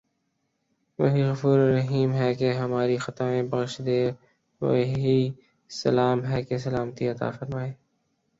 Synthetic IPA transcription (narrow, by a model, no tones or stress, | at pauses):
ʋɐɦiɣɐfuːɾːɐɦiːmɦɛkeɦɐmaːɾixɐt̪aẽbɐɣʃd̪eːɾ | wɐ̰ɦɦi | sɐ̰laːmɦɛkes̬ɐlaːmət̪iɐt̪a̰ːfɐɾmaːeː